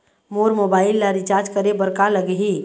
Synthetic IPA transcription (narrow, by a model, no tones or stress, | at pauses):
moɾmobailːaɾit͡ʃaɾd͡ʒkəɾebəɾkaləɡɦi